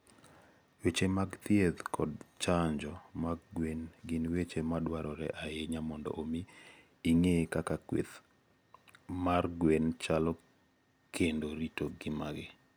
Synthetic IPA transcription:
wet͡ʃemaɡt̪jed̪kʰɔdt͡ʃaɲd͡ʒɔmaɡ̚ɡwenɡɪnwet͡ʃemadwaɾɔɾɛ̰ʔaeɲamɔndɔ̰ʔomiː | ŋekakakwḛt̪ | marɡwent͡ʃalɔ | kʰendoɾitoɡɪmaɡɪ

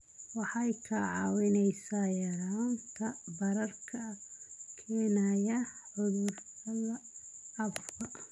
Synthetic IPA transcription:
wɑħɑjkʰɐʕɑwɪnɛjsaːjɐɾaːnt̪ʰɐbɐɾɐrkʰɐkʰɛːnɐjɐħʊðʊrtɐðɐɐbbʰɐ

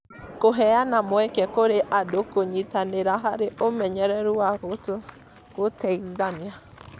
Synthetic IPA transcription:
koɦɛanamwɛkɛkoɾeʔadokoɲitaneɾaɦaɾeʔomɛɲɛɾɛɾuwaɣoto | ɣotaizania

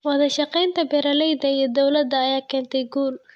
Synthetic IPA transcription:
wɐðɐʃɑqɛjnt̪ʰɐbɛɾɐlɛjd̪ɐiɔd̪ɔwlɐd̪ːɐːjaːkʰɛːnt̪ʰɛjɡuːl

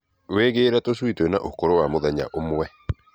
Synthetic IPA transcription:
weːɣeːɾɛtoʃwitwenaʔokoɾowamoðɛɲa̰ʔomwɛ

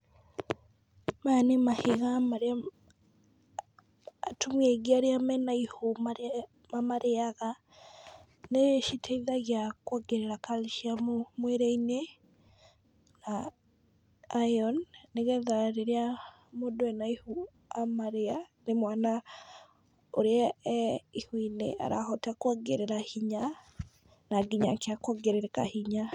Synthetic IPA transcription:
manemahiɣamaɾa | tʰumiɛɡiaɾiamɛnaihoma | mamaɾeaɣa | neʃitʰaiðaɣjakwaɡeɾeɾakaliʃiamomweɾeine | na | jɔnːeɣɛðaɾeɾea | modoɛnaihu | amaɾeanemwana | oɾeɛ | ihwinḛʔa̰ɾa̰hɔtakwaɡeɾeɾahiɲa | naɡiɲa̰keakwaɡeɾeɾeka̰hiɲa

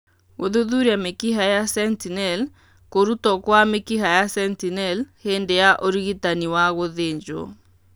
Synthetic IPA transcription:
oðuðuɾiamekiɦajasɛntinɛl | koɾutɔkwamekiɦajasɛntinɛlhendejaʔoɾiɣitaniwaɣoðeɲd͡ʒo̰

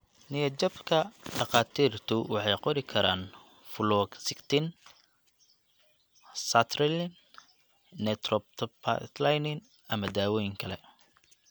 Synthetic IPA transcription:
nɪjɐt͡ʃɔbkʰɐɖɑqɑːt̪ʰiːrt̪ʰʊwɑħɑjqɔɾɪkʰɐɾaːn | flɔːɡsɪkt̪ʰɪn | sɐt̪ʰɾɛlnː | ɛt̪rɔb̚t̪ʰpʰa̰t̪lajnɪn | ɐmɐd̪aːwɔjɪŋkʰɐlɛ

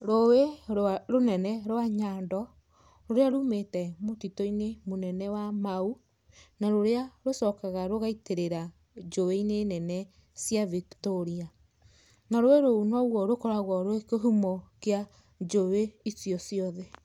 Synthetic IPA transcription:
ɾoweɾonɛnɛɾowaɲaːndɔ | ɾoɾeaɾumetɛmotitɔinemonɛnɛwamau | naɾoɾeaɾosɔkaɣaɾoɣaiteɾeɾa | d͡ʒoweinenɛnɛ | sijaviktɔɾia | naɾoeɾounɔɣwɔɾokɔɾaɣɔɾoekeɦumɔkea | d͡ʒoweisiɔsjɔðɛ

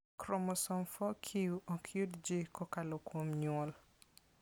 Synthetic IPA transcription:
kɾɔmɔsɔmfɔkʰiuokʰjudd͡ʒikɔkalokwomɲɔl

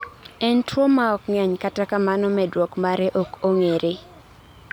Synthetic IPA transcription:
ɛntwɔmaɔkŋɛɲkatakamanɔmɛdwɔkmaɾɛʔɔkoŋeɾʔe

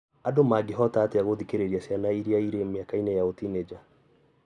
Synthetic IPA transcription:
adomaɡeɦɔtaːteaɣoðikeɾeɾiasianaiɾiaiɾemeakainɛjaotined͡ʒa

